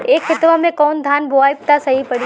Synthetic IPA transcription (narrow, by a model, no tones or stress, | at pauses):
eːkxɪt̪ʋamẽkɔːnd̪ʱaːnboaːjp̚t̪asɐɦipɐɽi